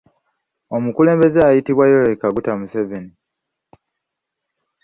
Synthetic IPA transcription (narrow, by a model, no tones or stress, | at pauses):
o̞mukule̞ːmbe̞zeajitiβwajoɾekaɡutamuseveni